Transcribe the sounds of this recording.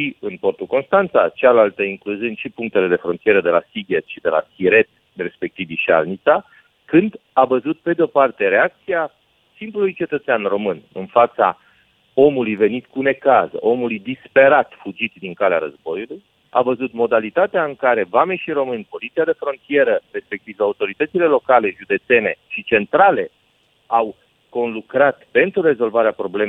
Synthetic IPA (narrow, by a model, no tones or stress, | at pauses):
ʃiɨnpo̞rt̪uko̞nst̪ant̪sat͡ʃealalt̪əiŋkluzɨnʲʃipuŋk̚t̪e̞le̞d̪e̞fɾo̞nt̪ije̞ɾəd̪e̞lasiɡet̪ʃid̪e̞la̰siɾe̞t̪ | re̞spe̞k̚t̪iviʃa̰lnit̪sa | kɨnd̪avəzut̪̚pe̞d̪eo̞part̪e̞ɾe̞ak̚t̪sia | simplulujt͡ʃe̞t̪ət̪seanro̞mɨnɨ̰nfat̪sa̰ | o̞mulujve̞nit̪kune̞kazə̰ʔo̞mulujd̪ispe̞ɾat̪fud͡ʒit̪d̪iŋkalea̰ɾə̰zbo̞juluj | a̰vəzut̪mo̞d̪alit̪at̪eaɨŋkaɾe̞vame̞ʃiɾo̞mɨnʲpo̞lit̪siad̪e̞fɾo̞nt̪ije̞ɾəre̞spe̞k̚t̪ivaut̪o̞ɾit̪ət̪sile̞lo̞kale̞ʒud̪e̞t̪se̞ne̞̰ʃit͡ʃe̞nt̪ɾale̞ | aw | ko̞nlukɾat̪pe̞nt̪ɾure̞zo̞lvaɾeapɾo̞ble̞m